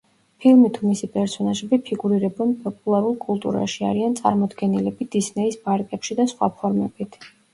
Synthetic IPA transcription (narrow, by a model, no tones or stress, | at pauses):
pʰilˠmit̪ʰumisipʼɛɾsɔnaʒɛbipʰiɡuɾiɾɛbɛnpʼɔpʼulˠaɾulˠkʼulˠt̪ʼṵɾa̰ʃia̰ɾiant̪sʼa̰ɾmɔd̪ɡɛnilɛbid̪̥isnɛisbaɾkʼɛpʃid̪asχwa̰pʰɔɾmɛb̥it̪ʰ